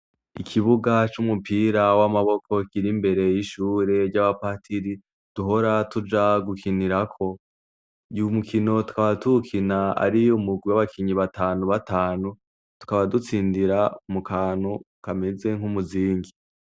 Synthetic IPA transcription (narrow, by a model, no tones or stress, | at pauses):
ikʰiβuɡat͡ʃumupʰiːɾawamaβo̞kʰo̞kiɾimbe̞ɾe̞jiʃuːɾe̞ɾɟaβapatʰiɾi | d̥uɦo̞ɾatud͡ʒaɡukiniɾakʰo̞ | ɟumukʰino̞tu̥kaβatukʰinaa̰ɾiumuɡwiwaβakʰiɲiβataːnuβataːnu | tu̥kaβadut͡siːndiɾamukʰaːnhu | kameze̞ŋ̥humuziːŋɡi